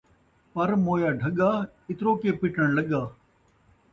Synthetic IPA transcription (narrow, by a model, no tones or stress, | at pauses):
pɐɾmoːjaːɖʱɐɠaː | ɪt̪ɾoːkeːpɪʈəɽ̃lɐɠaː